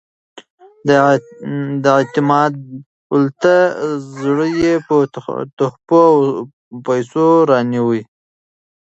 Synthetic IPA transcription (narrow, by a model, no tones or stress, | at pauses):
d̪əit̪ɪmɑd̪̚ | ʊlt̪azɽəjepət̪ʊxpow | pajsoɾɑniwi